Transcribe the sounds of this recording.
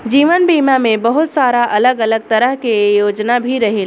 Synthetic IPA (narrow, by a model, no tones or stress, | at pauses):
d͡ʒiːʋənbiːmamẽbəɦʊt̪saːɾaʔɐləɡələɡ̚t̪ɐɾəɦkejoːd͡ʒnabʱiɾɐɦel